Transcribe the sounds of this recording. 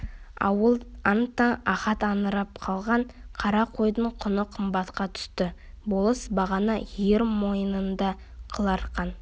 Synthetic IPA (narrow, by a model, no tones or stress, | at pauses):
əɑnt̪ːɑnɑχɑt̪ɑnəɾɑp̚qʰɑlˠʁɑɴqʰɑɾɑqʰo̞jd̪əɴqʰʊnəqʰəmbɑt̪qɑt̪ʰʏ̥st̪ɪ | bo̞lˠəsbɑʁɑnɑjeɾmo̞jənənd̪ɑ | qʰəlˠɑɾqɑn